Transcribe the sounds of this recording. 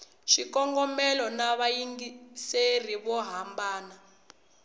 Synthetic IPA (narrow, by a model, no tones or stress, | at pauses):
ʃikɔŋɡɔmɛlɔnaβajiŋɡiseriβɔɦambaːna